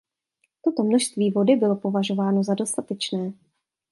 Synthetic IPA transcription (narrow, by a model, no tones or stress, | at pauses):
t̪o̞t̪o̞mnoʃst̪viːvo̞dɪbɪlo̞po̞vaʒo̞vaːno̞zado̞st̪at̪ɛt͡ʃnɛː